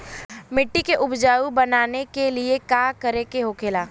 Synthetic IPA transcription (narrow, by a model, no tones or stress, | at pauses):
mɪʈːikeʔʊbʱd͡ʒaːubɐnaːnekeliekaːkəɾekeɦokʰeːlaː